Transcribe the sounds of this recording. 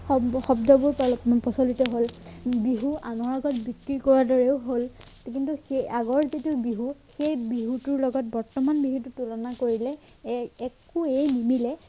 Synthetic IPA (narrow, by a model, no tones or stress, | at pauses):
ɔxɔbdɔbʊɹpɔpɔsolitɔɦolbiɦuʔanɔɹaɡɔtbikɹikɔɹadɔɹɛʊɦolkintuxeaɡɔɹzetiʊbiɦuxejbiɦutuɹlɔɡɔt̚bɔɹtɔmanbiɦututulɔnakoɹilɛː | kuejmimilɛ